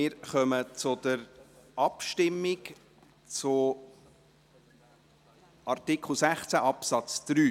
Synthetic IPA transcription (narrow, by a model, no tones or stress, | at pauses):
ɪːɾχœmət͡sʊd̥̪əɾɑpʃtɪmːɪk | t͡sʊ | ʔɑrt̪ɪkχl̩ˠsæχt͡sæʔɑpsɑt͡sd̪̥ɾyː